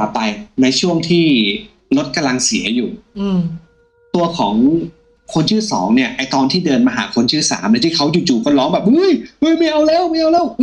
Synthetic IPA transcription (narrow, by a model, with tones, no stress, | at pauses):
a˨˩ppːa˧jna˧jt͡ɕʰu˥˩əŋt̪ʰiː˥˩ | ɾo˦˥t̪̚ka˧mla˧ŋsi˩˦ɐjuː˨˩˧ | t̪u˧ɐkʰɔː˩˦ŋ | kʰo˧nt͡ɕʰɯː˥˩sɔː˩˦ŋni˥˩ɐʔa˧jt̪ɔː˧nt̪ʰiː˥˩dɤː˧nmaː˧ɦa̰ː˩˦kʰo˧nt͡ɕʰɯː˥˩sa̰ː˩˦mʔa˧˥t̪iː˥˩kʰa˦˥wjuː˨˩t͡ɕuː˨˩kʰo˧lɔː˦˥ŋbɛː˨p̚ʔɯ˦˥˩jhɯ˦˥˩jma˥˩jʔa˧wlɛː˦˥˩wma˥˩jʔa˧wlɛː˥˩w